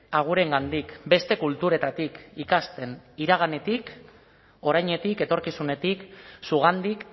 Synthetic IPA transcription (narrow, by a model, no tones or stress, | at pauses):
aɣ̞uɾe̞ŋɡand̪ikbe̞st̪e̞kult̪uɾe̞t̪at̪ikikast̪e̞niɾaɣ̞ane̞t̪ik | o̞ɾajɲe̞t̪ike̞t̪o̞ɾkisune̞t̪iksuɣ̞and̪ik